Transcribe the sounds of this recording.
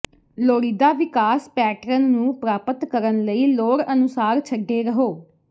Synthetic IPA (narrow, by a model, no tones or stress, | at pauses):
loːɾiːd̪aːʋɪkaːspɛːʈɾənːũːpɾaːpət̪kəɾənləiːloːɽənʊsaːɾt͡ʃʰəɖːeːɾəɦoː